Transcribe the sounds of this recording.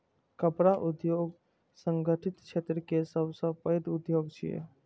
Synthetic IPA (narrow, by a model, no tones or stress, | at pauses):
kəpɾaʔud̪joɡ | səŋɡʱəʈʰit̪t͡ʃʰet̪ɾəkesəbsə̃pəjd̪ud̪joɡt͡ʃʰijḛ